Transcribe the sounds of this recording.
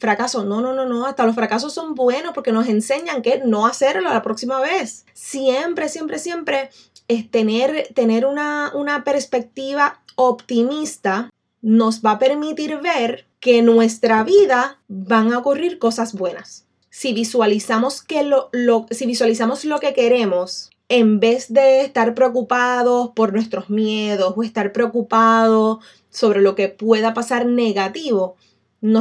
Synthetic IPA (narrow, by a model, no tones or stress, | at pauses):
fɾakaso̞no̞no̞no̞no̞ast̪alo̞sfɾakaso̞sːo̞mbwe̞nospo̞ɾke̞no̞s̬e̞nse̞ɲaŋkeno̞ase̞ɾlo̞lapɾo̞ksimaβe̞sː | je̞mpɾe̞sje̞mpɾe̞sje̞mpɾe̞ | et̪e̞neɾt̪e̞ne̞ɾunaunape̞ɾspe̞k̚t̪iβao̞pt̪imist̪a | no̞sβape̞ɾmit̪iɾβe̞ɾ | ke̞nwe̞st̪ɾaβiðaβaŋaokuriɾko̞sasbwe̞nasː | iβiswalisamo̞ske̞lolosiβiswalisamo̞slo̞ke̞ke̞ɾe̞mo̞s | e̞mbe̞sd̪e̞ːst̪aɾpɾeo̞kupaðo̞spo̞ɾnwe̞st̪ɾo̞smje̞ðo̞soe̞st̪aɾpɾeo̞kupaðo̞ | so̞βɾe̞lo̞ke̞pwe̞ðapasaɾne̞ɣat̪iβo | no